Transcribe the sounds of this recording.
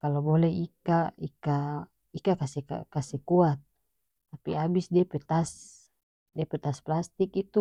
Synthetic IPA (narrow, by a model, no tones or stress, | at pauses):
kalobolɛikaika | ikakasɛa̰kasɛkuat̪̚ː | apiabisdiɛpɛt̪as | diepɛt̪asplast̪ikit̪u